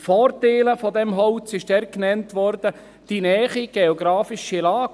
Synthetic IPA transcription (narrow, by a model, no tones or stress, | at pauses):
fɔːɾteːləfɔdɛmɦɔwt͡sɪʃd̥ɛɾknɛntʋɔɾdə | d̥inɛːχiɡ̥ɛɔɡɾɑːfɪʃilɑːɡ